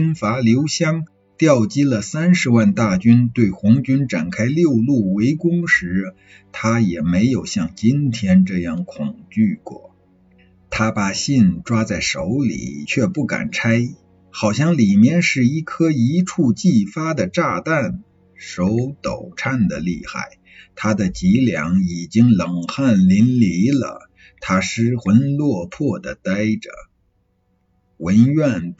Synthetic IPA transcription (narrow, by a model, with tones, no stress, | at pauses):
nfa˧˥ljo˧˥ʊɕjɑ˥ŋ | t̪jɑ˥˩ʊt͡ɕi˥lə˨sa˥nʂɻ̩˧˥wa˥˧nt̪a˥˩t͡ɕy˥nt̪we˥˩ɪxʊ˧˥ŋt͡ɕy˥nʈ͡ʂa̰˨˩nkʰa˥ɪljo˥˧ʊlu˥˩we˧˥ɪkʊ˥ŋʂɻ̩˧˥ | t̪ʰa˥jɛ˨˩me˧˥ɪjo˨˩ʊɕjɑ˥˩ŋt͡ɕi˥nt̪ʰjɛ˥nʈ͡ʂɤ˥˧jɑ˥˩ŋkʰʊ˨˩ŋt͡ɕy˥˩kwɔ̰˥˩ | t̪ʰa˥pa˨˩ɕi˥˧nʈ͡ʂwa˥t͡sa˥˩ɪʂo˧˥ʊlḭ˨˩t͡ɕʰɥɛ˥˧pu˥˩ka̰˨˩nʈ͡ʂʰa˥ɪ | xɑ˨˩ʊɕ̬jɑ˥˩ŋli˨˩mjɛ˥˧nʂɻ̩˥˩i˥˩kʰɤ˥i˧˥ʈ͡ʂʰu˥˧t͡ɕi˥˩fa˥d̪ə˨ʈ͡ʂa˥˧t̪a˥˩n | ʂo˧˥ʊt̪o̰˨˩ʊʈ͡ʂʰa˥˩nd̪ə˩li˥˧xa̰˥˩ɪ | t̪ʰa˥d̪ə˨t͡ɕi˧˥ljɑ̰˧˥ŋi˨˩t͡ɕi˥ŋlə˨˩ŋxa˥˩nli˧˥nli˧˥lə̰˧˩ | t̪ʰa˥ʂɻ̩˥xwə˧˥nlwɔ˥˧pʰɔ˥˩d̪ə˩t̪a˥ɪʈ͡ʂə̰˩ | wə˧˥nɥɛ˥˩n